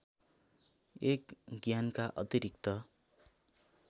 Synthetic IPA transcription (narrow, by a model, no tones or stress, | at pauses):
ekɡjankaʔʌt̪iɾik̚t̪ʌ